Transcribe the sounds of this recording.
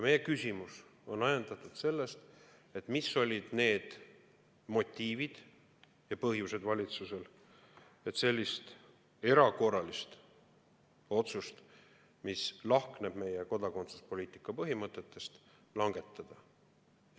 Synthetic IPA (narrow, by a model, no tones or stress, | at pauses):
jɑme̞je̞kysʲimuso̞nɑjend̪̥ɑt̪ːˑud̪̥se̞lːe̞st̪ | e̞t̪ːˑmisːo̞lʲid̪̥ne̞ːd̪̥ | mo̞t̪ʲːˑiːvid̪̥ | jɑpɤɦjuse̞d̪vɑlʲit̪suse̞l | e̞t̪se̞lʲːist̪ | e̞ɾɑko̞rɑlist̪ | o̞t̪sust̪ | mislɑhkneb̥me̞jeko̞d̪̥ɑko̞nt̪su̥spo̞lʲiːt̪ˑi̥kːˑɑpɤɦimɤt̪ːˑe̞t̪ːˑe̞st̪ | lɑŋɡ̥e̞t̪ːˑɑd̪̥ɑ